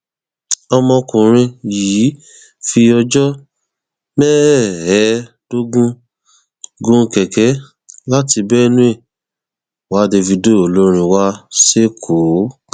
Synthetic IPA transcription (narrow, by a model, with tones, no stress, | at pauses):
ɔ˧mɔ̃˧kũ˨ɾ̃ĩ˧ji˨˦ | fi˧ɔ˧d͡ʒɔ˦ | mɛ˦hɛ˨˦ | d̥o˦ɡũ˦ | ɡũ˧˦˧kɛ˨kɛ˨˦ | la˦ti˧bɛ˦˧nũ˦e˦˨ | wa˨˦de˧vi˧do˦o˨lo˦ɾ̃ĩ˧wa˦se˦kʰo˨˦